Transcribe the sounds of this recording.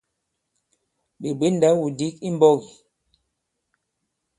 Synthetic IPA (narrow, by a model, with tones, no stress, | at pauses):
ɓe˨ɓe˦n˦da˦wu˨di˨˦k̚i˦m˦bɔ˦ɣi˨